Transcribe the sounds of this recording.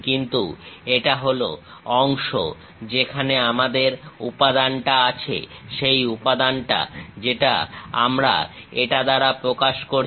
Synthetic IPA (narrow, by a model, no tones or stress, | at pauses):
kint̪ueʈaɦolo̰ | ɔŋʃo̰ | d͡ʑekʰaneamad̪eɾupad̪anʈaat͡ɕʰḛʃejupad̪anʈa̰d͡ʑeʈa̰a̰mɾa̰ | eʈad̪aɾapɾokaʃkoɾ